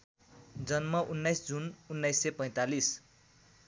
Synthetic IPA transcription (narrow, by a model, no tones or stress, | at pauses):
d͡zʌnmʌʔunːʌjsd͡zununːajsepʌj̃t̪alis